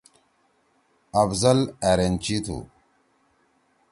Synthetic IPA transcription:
ɐbzɐlæɾent͡ʃit̪ʰṵ

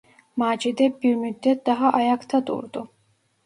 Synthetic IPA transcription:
maːd͡ʒid̪ɛbiɾmyd̪ːɛt̪̚d̪aɦaʔajakt̪ʰad̪ṵɾd̪u

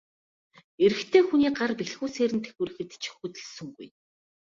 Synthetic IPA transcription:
eɾɘ̆xt̪ʰeːxuniːɢarpiɮxuːseːɾɘ̆nt̪ʰe̥xuːɾɘ̆xɘ̆t̪t͡ɕʰi̥xuːt̪ɘ̆ɮsɵ̆ŋɡṵj

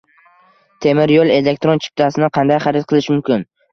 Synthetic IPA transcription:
t̪ʰe̞mɪɾjolˠe̞le̞k̚t̪ɾont͡ʃʰɪ̥p̚t̪ʰasɪnɪqʰɑnd̪ajχɑɾɪt̪̚qʰɨlˠɪʃmʊmkʲɪn

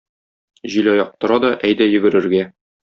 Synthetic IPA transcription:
ʑilɒjɑq̚t̪ŏɾɑd̪ɒʔæjd̪æjɵ̆ɡɘ̆ɾɘ̆ɾɡæ

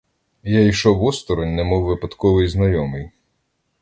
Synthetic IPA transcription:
jaiʃɔʋɔst̪ɔɾɔnʲnɛmɔwːɪpɐt̪kɔʋɪjznɐjɔmɪj

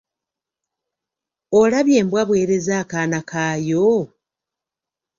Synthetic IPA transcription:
olaβje̞ːmbwaβwe̞ːɾe̞zaːkaːnakaːjo

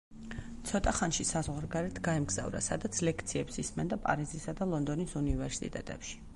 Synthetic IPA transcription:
t̪sʰɔt̪ʼaχanʃisazʁwaɾɡaɾɛt̪ʰɡaɛmɡz̥a̰vɾa̰sad̪at̪sʰlɛkʰt̪sʰiɛpsismɛnd̪apʼa̰ɾizisad̪alˠɔnd̪ɔnisunivɛɾsḭt̪ʼɛ̰t̪ʼɛ̰pʃi̥

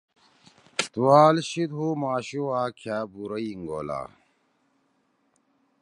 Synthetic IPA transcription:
t̪uwaːlɕid̪ɦumaːɕuwaːkʰjaːbuɾɐiŋɡo̰la̰ː

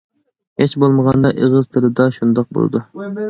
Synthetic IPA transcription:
het͡ʃbolˠməʁɑnd̪ɑʔeʁəzt̪ʰɨlɪd̪ɑʃund̪ɑq̚bo̰l̰ˠd̪u

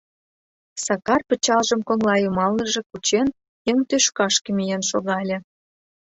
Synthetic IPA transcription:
sɑkɑrpə̆t͡ɕɑlʒə̆mkoŋlɑjumɑlnə̆ʒĕkut͡ɕen | eŋt̪øʃkɑʃkə̆mʲijenʃoɣɑlʲĕ

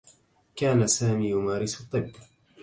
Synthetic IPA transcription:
kaːnasaːmiːjʊmaːɾɪsɑt̪ˤːɨbː

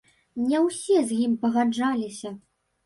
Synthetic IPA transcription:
nʲɛwsʲɛzʲjimpɐɣad͡ʐalʲisʲɐ

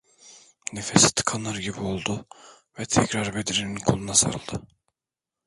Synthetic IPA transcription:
nefesi̥t̪ʰɯ̥kʰanlˠaɾɟibio̞lˠd̪ʊ | vɛt̪ʰɛcɾaɾbed̪iɾeninkʰolˠunasa̰ɾɯ̰lˠd̪̥ɯ

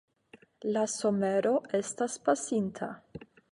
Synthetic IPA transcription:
laso̞me̞ɾo̞e̞staspasintʰa̰

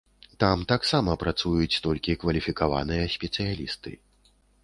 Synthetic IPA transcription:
t̪amt̪aksamɐpɾat̪sujut͡s̪ʲt̪ɔlʲkʲikvɐlʲifʲikava̰nɨjɐsʲpʲɛt̪sɨjalʲḭst̪ɨ̰

